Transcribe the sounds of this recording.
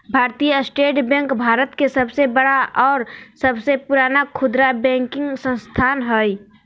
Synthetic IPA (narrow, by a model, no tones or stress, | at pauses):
bʱaːɾt̪ijəsʈeːʈbɛ̃ŋkbʱaːɾət̪kesəbsebəɽaʔɔːɾsəbsepuɾaːnakʰʊd̪ɾabɛ̃ːŋkɪ̃ŋɡsə̃st̪ʰaːnɦoi